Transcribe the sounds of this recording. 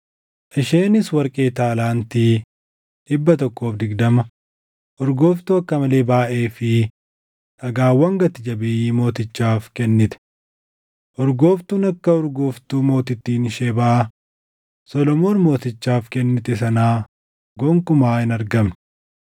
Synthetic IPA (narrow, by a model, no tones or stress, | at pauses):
ʔɪʃe̞ːnɪswɐɾkʼe̞ːt̪aːlaːnt̪iː | ᶑɪbːɐt̪ɔkːo̞ːfd̪ɪɡd̪ɐmɐ | ʔɔɾɡo̞ːft̪uːɐkːɐmɐle̞ːbaːʔeːfɪ | ʔɐɡaːwːɐŋɡɐt̪ɪd͡ʒɐbɪjiːmo̞ːt̪ɪt͡ʃːaːfkɛnːɪt̪ɛ̥ | ʔɔɾɡo̞ːft̪uːnɐkːɐɔɾɡoːft̪uːmo̞ːt̪ɪt̪ːiːnʃeːbaʔ | sɔlɔmo̞ːnmo̞ːt̪ɪt͡ʃːaːfkɛnːɪt̪ɛsɐnaː | ɡɔŋkʊmaːɪnɐɾɡɐm